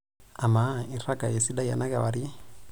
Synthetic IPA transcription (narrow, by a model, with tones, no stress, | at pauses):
a˨ma˨˦i˨ɾa˦ɡa˨jɛ˨si˦ɗa˦ja̰˨na˦ka˨wa˨ɾi˦